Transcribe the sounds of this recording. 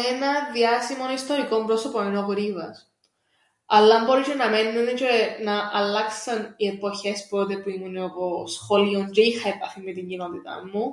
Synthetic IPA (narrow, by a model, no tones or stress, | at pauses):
enɐðiɐsimo̞nist̪o̞ɾiko̞mbɾo̞so̞poninokoɾivɐ̰s | ɐlːɐmbo̞ɾisenɐme̞nːunet͡ʃenɐʔɐlːɐksɐniepo̞çe̞spɾot̪epuimuneoposxoliond͡ʒeixɐepɐθimːet̪iɲɟino̞t̪it̪ɐ̰mːu